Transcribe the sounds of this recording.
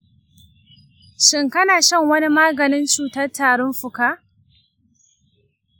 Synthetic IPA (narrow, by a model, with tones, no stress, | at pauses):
ʃɪ˦ŋkɐ˦naː˨ʃɐ˦ŋwɐ˦ni˦maː˦ɡɐ˨nɪ˦nt͡ʃuː˨tɐ˦rtaː˨ɽɔ˦mɸʊ˨kaː˦ʔ